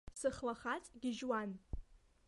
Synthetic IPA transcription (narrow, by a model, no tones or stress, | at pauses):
sɨχlaχat͡sʼɡʲɪʒwan